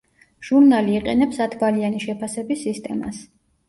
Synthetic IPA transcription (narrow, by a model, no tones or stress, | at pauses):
ʒ̥uɾnaliːqʼɛ̰nɛpsat̪ʰvalianiʃɛpʰasɛbisːist̪ʼɛ̰ma̰s